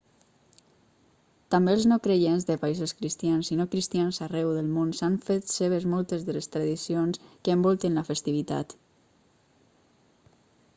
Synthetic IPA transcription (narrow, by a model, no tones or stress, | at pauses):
t̪ambeəlznowkɾeʎenzðəpaizoskɾist̪jansinokɾist̪ianzarɛwðəlˠmonsaɱfet̪seβ̞əzmɔlˠt̪ezðəlest̪ɾaðisionskəːmbɔlˠt̪ənləfəst̪iβ̞it̪a̰t̪